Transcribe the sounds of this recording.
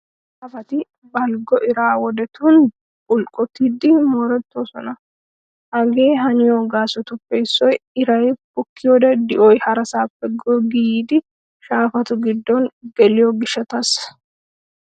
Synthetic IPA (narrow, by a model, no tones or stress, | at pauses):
aɐfɐt̪ɪ | bɐlɡɔʔɪɾaːwɔd̪ɛt̪uːn | ʊlkʼɔt̪id̪ɪmɔɾɛt̪ːoːsɔnɐ | hɐɡe̞ːɦɐnɪjoɡaːsɔt̪ʊpːɛɪsːɔjɪɾɐjbʊkːɪjod̪ɐd̪ɪʔɔjhɐɾɐsaːpːɛɡoɡijiːd̪ɪ | ʃaːfɐt̪ʊɡɪd̪ːɔnɡ̥ɛlɪjoɡɪʃɐt̪ɐs